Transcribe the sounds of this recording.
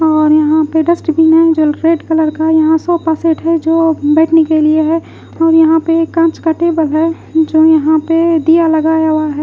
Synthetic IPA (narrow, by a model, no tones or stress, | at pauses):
ɔːɾjɐɦãpeɖəsʈbʱinɐɦĩd͡ʒoːɾeːɖkɐləɾkajɐɦãsɔːpaːseːʈɦɛd͡ʒoːbɛːʈʰnekelieɦɛ | ɔːɾjɐɦãpekːãːt͡ʃkəʈeːbəlɦɛ | d͡ʒoːjɐɦãped̪ijalɐɡaːjawaɦɛː